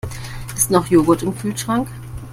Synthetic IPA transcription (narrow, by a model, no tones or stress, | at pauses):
ʔɪstnɔχjoːɡɐtɪmkʰyːlʃʁ̥aŋk